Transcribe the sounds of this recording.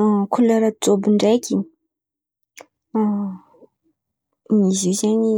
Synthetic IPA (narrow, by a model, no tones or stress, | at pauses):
kʰulaɾat͡sobiɳɖ͡ʐajkʲi | miziwzaɲi